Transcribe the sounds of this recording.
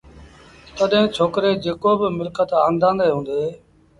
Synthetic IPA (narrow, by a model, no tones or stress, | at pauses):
t̪əɗɦẽːt͡ʃʰoːkɾeːd͡ʒeːkoːbɪmɪlkət̪aːnd̪ʱãːnd̪eːɦũːnd̪eː